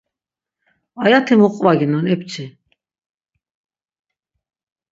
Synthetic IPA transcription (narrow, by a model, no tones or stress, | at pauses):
ajat̪ʰimuqʼvaɡinɔnɛpt͡sʰʼi